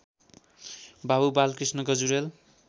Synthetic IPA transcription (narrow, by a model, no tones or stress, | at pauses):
babubalkrisnʌɡʌd͡zuɾel